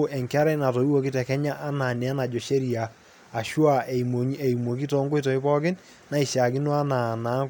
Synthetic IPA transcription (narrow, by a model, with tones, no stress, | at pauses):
ʔɛ˨ŋka˦ɾɛ˦na˨to˨i˦wo˨kɪ˦tɛ˨kɛ˦ɲa˦ʔːna˨nɛ˨a˦na˨d͡ʒo˨ʃe˦ɾi˨aː˨ | ʃwa˨ɲe˨i˨mwo˨k̬i˦tɔ˦ŋɡo˦i˦to˨ɪ˦pɔ˦kɪ˦n | na˦i˨ʃa˨kɪ˦nwa˦na˨na˨˦